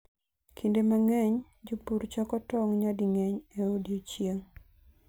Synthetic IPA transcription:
kʰindemaŋɛɲ | d͡ʒopuɾt͡ʃɔkɔtɔŋɲadiŋɛɲeodjot͡ʃjeŋ

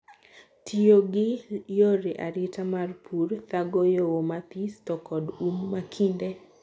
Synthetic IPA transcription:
tʰijoɡɪjoɾiʔa̰ɾɪtamarpʰuɾt̪aɡojowomat̪istɔkɔdunmakʰinde

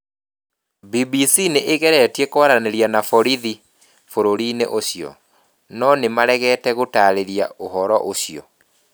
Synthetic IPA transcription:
bibisineʔeɣɛɾɛtiekoaɾaneɾianafɔɾiði | foɾoɾinḛʔoɕijɔ̰ | nɔnemaɾɛɣɛːtɛɣotaɾeɾja̰oɦɔɾɔʔoɕiɔ̰

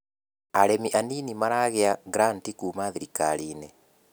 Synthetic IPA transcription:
aɾemiʔaninimaɾaɣeaɡɾantikuːmaðiɾika̰ɾiːnɛ

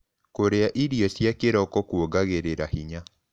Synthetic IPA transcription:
koɾeaʔiɾiɔsjakeɾɔkɔkuoɡaɣeɾeɾahiɲa

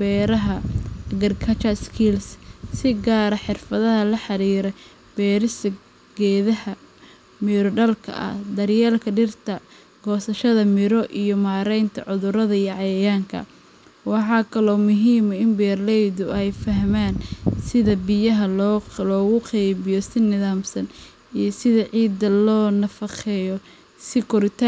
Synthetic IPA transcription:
bɛːɾɐɦɐɐɣɐrkʰɐt͡ʃɐskʰilssɪɡaːɾɐħɪrfɐðɐɦɐlɐħɑɾiːɾɛ | b̥ɛːɾɪs | ɡɛːðɐhɐ | mɪɾɔɖɐlkʰɐ̰ʔɐ̰hd̪ɐrjɛːlkʰɐɖɪrt̪ʰɐ | ɡ̥ɔːsɐʃɐðɐmɪɾɔʔijɔmaːɾɛjnt̪ʰɐ̰ʕʊðʊɾɐðɐijʕɑjɐjaːŋkʰɐ̰ | wɑħɑːkʰɐlɔːmʊɦiːmɐɪmbɛːrlɛjðʊɛjfɐɦmaːnsɪðɐbɪjɐɦɐlːlɔːɣʊqɛjβɪjɔsɪnɪðaːmsɐn | ijɞsɪðɐʕiːd̪ɐlɔːnɐfɑχɛjɔ | sɪkʰɔɾɪt̪ʰa

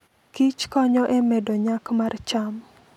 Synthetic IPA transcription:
kit͡ʃkɔɲɔʔɛmɛdɔɲakmart͡ʃam

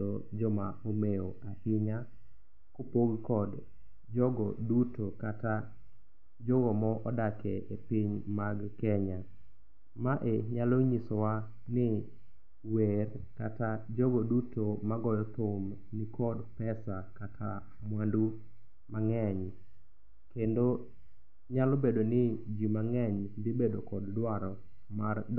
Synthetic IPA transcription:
ɔd͡ʒɔmaomeoahɪɲa | kopoɡkɔd | d͡ʒɔɡɔdutokata | d͡ʒoɡɔmɔʔɔdakʰɛepiɲmaɡkɛɲa | maʔeɲaloɲisɔwa | nɪ | wer | katad͡ʒoɡodutomaɡɔjɔt̪om | nɪkɔdpɛsakatʰa̰ | mwandu | maŋɛɲ | kendo | ɲalɔbedonɪd͡ʒimaŋɛɲdɪbedokɔddwaɾɔ | mard

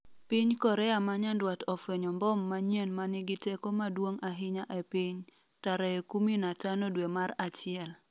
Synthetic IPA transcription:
pɪɲkɔɾɛamaɲandwatɔfeɲɔmbɔmːaɲjenmanɪɡɪtekomadwoŋaɦɪɲaʔɛpɪɲ | taɾaekuminatanodwemaɾat͡ʃɪɛl

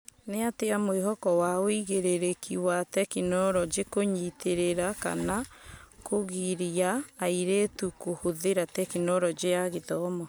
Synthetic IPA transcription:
neateamweɦɔkɔwaoiɣeɾeɾekʰiwatɛkinɔɾɔd͡ʒekoɲiteɾeɾaka̰nakoɣiɾiaːiɾetukohoðeɾatɛkinɔɾɔd͡ʒejaɣeðɔːmɔ

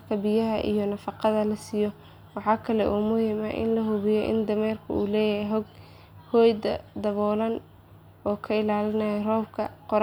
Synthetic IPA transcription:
kʰɐbɪjɐɦɐʔḭjɔnɐfɑqɑðɐlɐsijɔ | wɑħɑːkʰɐlɛʔuːmʊhɪma̰ːʔɪ̰nlɐɦʊβɪjɛʔɪ̰nd̪ɐmɛːrkʰʊ̰ṵːlɛːjɐɦɛjɦɔɡ | hɔːjd̪ɐ̰d̪ɐβɔːlɐn | ʔɔːkʰɐɪlaːlɪnɐjɛrɔːbkʰɐqɔɾ

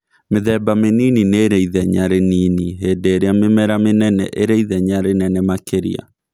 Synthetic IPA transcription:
meðɛbameniːnineːɾɛiðɛɲaɾeniːniɦeːdeːɾeamemɛɾamenɛnɛ̰ʔeɾɛiðɛɲaɾenɛnɛmakʰeɾḭa̰

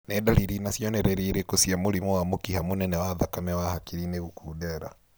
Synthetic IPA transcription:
nɛɗaliɾinasiɔnɛɾɛɾiɾekɔsiamulimɔwamukihamunɛnɛwaðakamɛwahakiɾinɛukʰuɗɛɾa̰

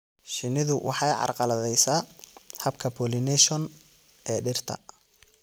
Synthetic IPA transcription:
ʃɪnɪðʊwʔɑ̰ħɑjʕɑ̰rqɑlɐðɛjsaːhɐbkʰɐpʰɔlɪnɛʃɔn | ʔɛːɖɪrt̪ʰɐ̰

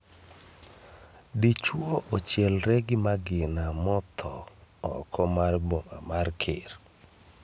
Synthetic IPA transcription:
dit͡ʃwoʔot͡ʃjɛlɾɛɡɪmaɡɪnamɔt̪ʰɔɔ̰kʰɔmarboŋamarkʰɪ̰r

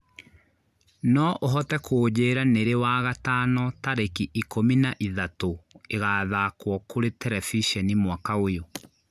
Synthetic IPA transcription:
nɔʔoɦɔtɛkʰoːd͡ʑeːɾaneɾewaːɣataːnɔtaɾekiʔikominaʔiðatoeɣaːðakwɔkʰoɾetɛɾɛfiʃɛnimwakaojo

